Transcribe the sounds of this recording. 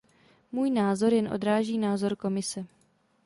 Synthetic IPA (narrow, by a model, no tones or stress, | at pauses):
muːjnaːzo̞ɾjɛnʔo̞̰dɾaːʒiːnaːzo̞ɾko̞mɪsɛ